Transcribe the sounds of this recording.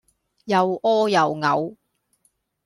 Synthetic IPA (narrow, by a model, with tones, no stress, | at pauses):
jɐ˨wɔː˥jɐ˨wŋɐ˨˧w